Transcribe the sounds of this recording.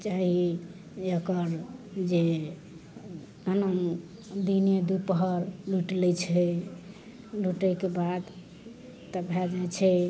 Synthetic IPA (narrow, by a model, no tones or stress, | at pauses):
t͡ʃaɦi | əkəɾd͡ʒe | ənəm | d̪ined̪upəɦəɾluʈlɛt͡ʃʰɛ | luʈəkebad̪ | t̪əbʱɛd͡ʒajt͡ʃʰɛ